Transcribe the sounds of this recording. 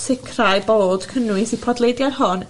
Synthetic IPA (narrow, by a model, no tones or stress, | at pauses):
sɪkʰrajboːd̥kʰənwɪsipʰɔdlˠejdjarhɔn